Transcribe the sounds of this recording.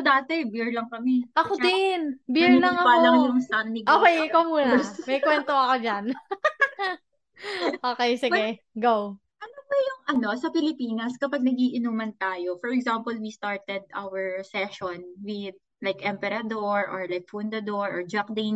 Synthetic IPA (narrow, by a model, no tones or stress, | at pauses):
d̪aːt̪ɛbiɹlɐŋkɐmɛʔɐkod̪ɪnbɪlɐŋɐpalɐŋjʊŋsanːɪɡʔoːkejkomuːnɐmɐjkwɛnt̪oɐkod͡ʒan | ʔoːkejsɪpɛ | ɡow | ʔɐnobɐjʊŋʔɐno̞sɐpɪlɪpiːnɐskɐpɐɡ̚nɐɡiːʔɪnuːmɐnt̪aːjo̞fɔɹɛɡzampɐlwist̪aɹt̪ɛd̪̚ʔawɛɹsɛʃonwɪd̪̚ | lajkʔɛmpɛɾad̪oɹʔɔɹlajk̚fund̪ɐd̪oɹʔɔɹd͡ʒak̚d̪en